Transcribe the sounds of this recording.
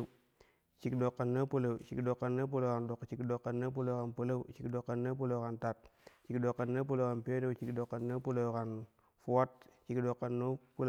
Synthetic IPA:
t͡ʃi˨kdo˨kːa˨nːa˦pu˦la˨wt͡ʃi˨kdo˨kːa˨nːa˦p̬u˦lo˨ka˨ndo˨kt͡ʃi˨kdo˨kːa˨nːa˦p̬u˦lo˦wka˨npə˦la˦u˦t͡ʃi˨kdo˨kːa˨nːa˦p̬u˦lo˦wka˨nta˨t̚t͡ʃi˨kdo˨kːa˨nːa˦p̬u˦lo˨ka˨npe˦ɾe˦wt͡ʃi˨kdo˨kːa˨nːa˦pu˦lo˨wka˨n | fu˦wa˦t̚t͡ʃi˨kdo˨kːa˨nːo˦pu˦

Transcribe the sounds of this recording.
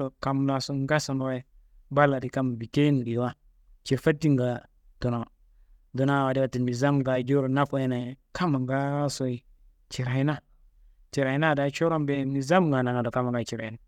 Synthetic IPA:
o˨ka˨mna˨so˦ŋɡa˦sa˨n˨wa˦i˦ | ba˦lːa˨di˨ka˦m˨bi˨ke˦n˨ɡi˨˦a˦ | t͡ʃe˨fa˦tːi˦ŋɡa˨ | to˨na˨ | do˨na˦˨wa˨di˦wa˦ti˨nmi˨za˦mɡa˨d͡ʒo˦ɾo˨na˦fo˦je˦na˨ka˦ma˨ŋɡa˦so˨i˨ | t͡ʃi˨ɾa˨i˦na˦ | t͡ʃi˨ɾa˨i˦na˦˨da˨˦t͡ʃo˦ɾo˦mbe˦mi˨za˦mɡa˨na˨ŋa˨do˨ka˦ma˨ŋɡa˦˨t͡ʃi˨ɾa˨i˨na˨

